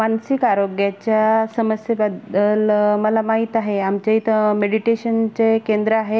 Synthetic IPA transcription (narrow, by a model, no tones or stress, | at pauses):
mansikaɾoɡjat͡ɕjasəməsjəbad̪ːəlməlamaɦit̪aɦeamt͡ɕeit̪meɽiʈeɕənt͡sekẽnd̪ɾəaɦe